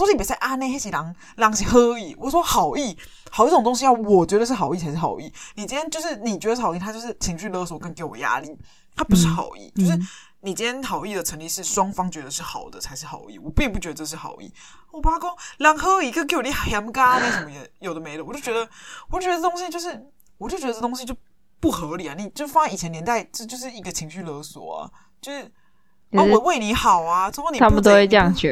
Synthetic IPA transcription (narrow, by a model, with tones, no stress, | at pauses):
o˥˧pt͡sa˥˧ɪʔa˥˩ne˥˧a˥ɕi˨˩lɑ˧˦ŋ | lɑ˧˥ŋɕi˨˩xɤ˦˥i˨˩wʔɔ˨s̬wɔ˥xɑ˨˩ʊi˥˩ | hʊi˥˩o˨˩ŋt̪o˥ŋɕ̬i˥jɑ˥˩ʊwɔ˨˩t͡ɕɥɛ˧˥d̪ə˧ʂɻ̩˥˩xɑ˨˩ʊi˥˩t͡sʰa˧ɪʂɻ̩˥˩ɑ̰˨˩ʊi˥˩ni˨˩t͡ɕi˥nʰjɛ˥nt͡ɕjo˥˧ʂɻ̩˥˩ni˨˩t͡ɕɥɛ˧˥d̪ə˧ʂ̩˥˩ɑ˨˩˧i˥˩tʰa˥jo˥˧ʊʂ̩˥˩t͡ɕʰi˧˥ŋɕy˥˧lɤ˥˧swɔ˨˩ka˥˧nŋke˧˥˩ɪwɔ̰˨˩ja̰˧˥li˥˩ | t̪ʰa˦˥pu˧˥ʂɻ̩˥˩xɑ̰˨˩ʊḭ˥˩t͡ɕjo˥˧ʂɻ̩˥˩ | ni˨˩t͡ɕi˥njɛ˥nxɑ˨˩ʊi˥˩d̪ə˩ʈ͡ʂʰə˧˥ŋli˥˧ʂɻ̩˥˩swɑ˥ŋfɑ˥ŋt͡ɕɥɛ˧˥d̪ə˨˧ʂɻ̩˥˩xɑ˨˩ʊd̪ə̰˦t͡sʰa˧˥ɪʂɻ̩˥˩xɑ̰˨˩ʊḭ˥˩wɔ˨˩pi˥˧ŋp̬u˥˩t͡ɕɥɛ˧˥d̪ə˧ɤ˥˧ʂɻ̩˥˩xɑ̰˨˩ʊḭ˥˩˥ | wa˧˩a˥ko˥ŋljɑ˨˩ŋxɤ˧˦jo˨i˧˥ɡə˧k̬e˥˩wni˥˩˨xja˧˥mka˥˧na˥˩ʂə˧˦mə˧jɛ˧˩jo˨˩ʊd̪ə˦me˧˥ɪlə˧wɔ˨˩t͡ɕjo˥˩t͡ɕɥɛ˧˥d̪ə˧wt͡ɕo˥˩t͡ɕɛ˧˥də˧˥˩t̪o˥ŋ˥ɕi˦t͡ɕjo˧ʊʂ̬ɻ̩˥˩ | wɔ˨˩t͡ɕjo˥˩t͡ɕɥ̪t̪o˥ŋɕi˦˥t͡ɕjo˥˧ʊ | pu˥˩xɤ˧˥li˨˩a˩ni˨˩t͡ɕjfa˥˧˩i˨˩t͡ɕʰjɛ˧˥njɛ˧˥nt̪a˥˧ɪʈ͡ʂə˥˧t͡ɕjo˥˧ʂ̬ɻ̩˥˩i˧˥ɡə˧t͡ɕʰi˧˥ŋɕy˥˩lɤ˧˥swɔ̰˨˩˦ɐ̰˨˩ | t͡ɕjo˥˧ʊʂɻ̩˥˩ | a˥ɔ˨˦we˥˩ɪni˨˧˥xɑ˨˩ʊa˨˧t͡s̩˥xo˥˩ni˨t̪ʰa˥m˥˨t̪o˥we˥˧ʈ͡ʂjɑ˥˩ŋɕɛ˨˦